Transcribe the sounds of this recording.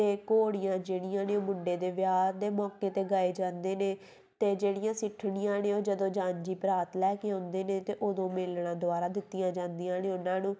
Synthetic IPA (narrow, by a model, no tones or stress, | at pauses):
t̪eːkoːɽɪjãːd͡ʒeːɽɪjãːneːoːmʊɳɖeːd̪eːʋjaːɾd̪eːmɔːkeːt̪eːɡaːeːd͡ʒãːnd̪eːneː | t̪eːd͡ʒeːɽɪjãːsɪʈʰːɽɪjãːnẽːoːd͡ʒəd̪õːd͡ʒãːɲd͡ʒiːpɾaːt̪lɛːkeãːnd̪eːnẽːt̪eːʔod̪õːmɪlnãːd̪ʊaːɾaːd̪ɪt̪ːɪjãːd͡ʒãːnd̪ijãːneːʊnãːnũː